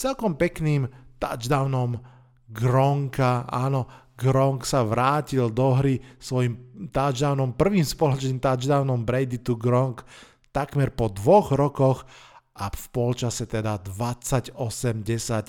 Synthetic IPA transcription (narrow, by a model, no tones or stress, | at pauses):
t͡sɛlkɔmpɛkniːmt̪a̰d͡ʒd̪aʊnɔm | ɡɾɔŋkaa̰ːnɔ | ɡɾɔŋksaʋɾaːcild̪ɔɦɾisʋɔjimt̪ad͡ʒd̪aʊnɔmpr̩ʋiːmspɔlɔt͡ʃniːmt̪ad͡ʒd̪aʊnɔmbɾɛjd̪it̪uɡɾɔŋk | t̪akmɛɾpɔd̪ʋɔɣɾɔkɔxʔafpɔlt͡ʃasɛt̪ɛd̪ad̪ʋat͡sːaɟɔsɛmɟɛsac